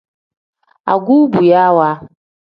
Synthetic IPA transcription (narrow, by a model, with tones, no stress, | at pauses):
a̰˨ɡu˦bu˨ja˦wa˦